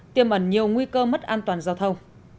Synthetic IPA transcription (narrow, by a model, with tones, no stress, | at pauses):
t̪i˧əmʔə˨˩nɲi˨˩əwŋwi˧kəː˧mə˦˥t̚ʔaː˧nt̪waː˨˩nzaː˧wt̪ʰə˧w